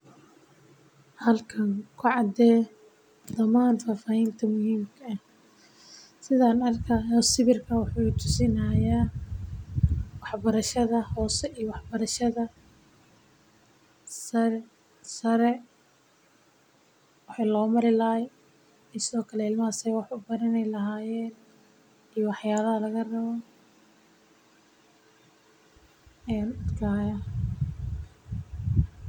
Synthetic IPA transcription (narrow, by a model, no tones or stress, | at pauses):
hɐlkʰɐŋkʰʊʕɑd̪ɛː | d̪ɐmaːnfaːfaːjɛnt̪ʰɐmʊhiːmkʰɐɐh | sɪðaːnɐrkʰɐjɔsɪβɪrkʰɐwʊħuːt̪ʰʊ̥sɪnajaː | wɑħbɐɾɐʃɐðɐhɔːsɛijɔwɑħbɐɾɐʃɐðɐ | sɐ | sɐɾɛ | wɑħɑjlɔːmɐɾɪlɐɦɛj | ɛsɪðɔːkʰɐlɛɪlmɐɐsɛjwɑħʊbɐɾɐnɛjlɐɦaːjɛːn | ijwɑħjaːlɐɦɐlɐɣɐrɐβɔ | ɛːnʊd̪kʰaːjɐ